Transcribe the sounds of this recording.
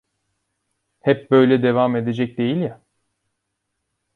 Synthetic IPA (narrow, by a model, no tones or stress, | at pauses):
hɛp̚bø̞jlʲɛd̪e̞vame̞d̪ed͡ʒɛc̚d̪e̞jilʲja